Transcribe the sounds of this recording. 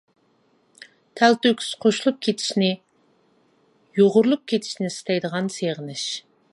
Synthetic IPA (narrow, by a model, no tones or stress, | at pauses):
t̪ʰælt̪økʲi̥z̥qʰoʃulˠup̚kʲʰet̪ʰɪ̥ʃnɪ | joʁʊɾulˠup̚kʲʰet̪ʰɪ̥ʃnɪsɪ̥t̪ʰɛjd̪əʁɑnseʁɪnɪʃ